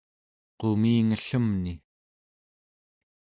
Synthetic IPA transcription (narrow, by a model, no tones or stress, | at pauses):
qomiːŋəɬəmni